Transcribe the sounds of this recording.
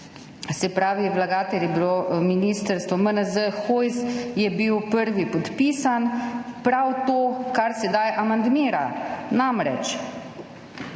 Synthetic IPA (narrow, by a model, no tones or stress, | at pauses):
sɛpɾaːʋijɛblaɡaːt̪ɛljɛbilominiːst̪əɾst̪ʋɔmənəzəxojzjɛbiwpəɾʋipɔt̪piːsanpɾawt̪oːkaɾsɛd̪ajʔamand̪miːɾanamɾɛt͡ʃ